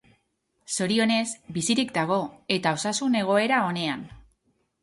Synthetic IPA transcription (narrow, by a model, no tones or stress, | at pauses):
so̞ɾio̞ne̞sbisiɾikd̪aɣ̞o̞e̞t̪ao̞sasune̞ɣ̞o̞e̞ɾao̞ne̞an